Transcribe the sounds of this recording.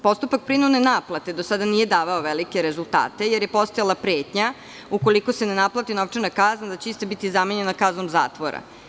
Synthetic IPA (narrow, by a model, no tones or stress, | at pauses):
po̞st̪upak̚pɾinud̪nenaplˠat̪e̞d̪osad̪anijed̪aːʋaoʋelikeɾezulˠt̪a̰ːt̪e̞jeɾjepo̞st̪ajalˠapɾeːt̪ɲa | uko̞liko̞senenaplˠat̪inoʋt͡ʂenakaznad̪at͡ɕeist̪abit̪izameɲe̞nakaznomza̰ːt̪ʋoɾa̰